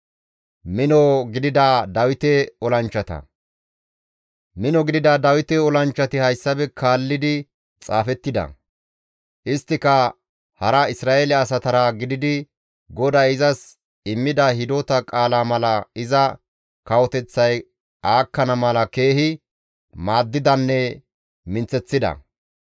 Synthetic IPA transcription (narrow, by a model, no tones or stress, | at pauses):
mɪnɔɡɪd̪ɪd̪ɐd̪ɐwɪt̪ɛɔlɐnt͡ʃːɐt̪ɐ̰ | mɪnɔɡɪd̪ɪd̪ɐd̪ɐwɪt̪ɛɔlɐnt͡ʃːɐt̪ɪhɐjsːɐbɛkʰaːlːɪd̪ɪ | t͡sʼaːfɛt̪ːɪd̪ɐ̰ | ʔɪst̪ːɪkɐ | hɐɾɐɪsɾaːʔeːlɛɐs̬ɐt̪ɐɾaɡɪd̪ɪd̪ɪ | ɡɔd̪ɐɪzɐs | ɪmːɪd̪ɐhɪd̪ot̪ɐkʼaːlaːmɐlɐɪzɐ | kɐwɔt̪ɛt͡sːɐj | aːkːɐnɐmɐlɐke̞ːhɪ | maːd̪ːɪd̪ɐnːɛ | mɪnt͡sːɛt͡sːɪd̪ɐ̰